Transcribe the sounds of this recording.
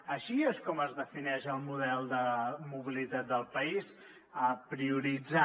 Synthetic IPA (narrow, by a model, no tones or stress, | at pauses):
əʃieskɔməzðəfinɛʃəlˠmuðɛlˠd̪əmuβ̞ilit̪at̪̚d̪əlˠpəis | əpɾiuɾid͡za